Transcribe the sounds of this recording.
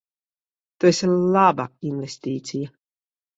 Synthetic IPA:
t̪ueslˠabainvest̪iːt̪sija

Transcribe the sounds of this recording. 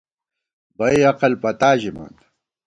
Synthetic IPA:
bɐjɐqɐlpɐt̪aːʑima̰ːnd̪

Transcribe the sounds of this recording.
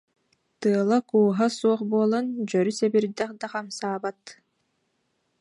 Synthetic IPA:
t̪ɯɐlˠakuːɦasuɔχbuːlˠɔnd͡ʑœɾysɛbiɾd̪ɛχd̪aqamsaːbat̪

